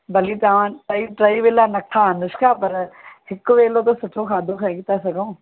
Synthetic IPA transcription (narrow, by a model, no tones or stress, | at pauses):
bɐlit̪aãːʈɐiʈɾaiʋeːlaːnɐkkʰːaə̃nʊʃkʰaːpɐɾhɪkːʋeːlot̪osʊʈʰokʰaːd̪ʱõkʰɛ̃ɡɪt̪asɐɡõː